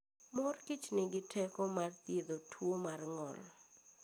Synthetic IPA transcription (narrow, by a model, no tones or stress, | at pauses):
mɔrkit͡ʃnɪɡɪtʰɛkɔmart̪jed̪otʰwomarŋɔ̰l